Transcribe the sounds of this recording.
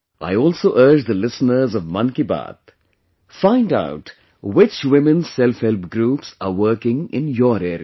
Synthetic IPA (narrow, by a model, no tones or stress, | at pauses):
ʔa̰ɪɔːlsoːʔəːd͡ʒd̪əlɪsnəɾzɔʋmʌ̃nkiba̰ːt̪ | fãɪ̃nda̰ʊʈ | wɪt͡ʃwɪmɪ̃nsɛlfhɛlp̚ɡɾuːpsawəːkɪ̃ŋɪ̰̃njɔːɾɛːɾḭ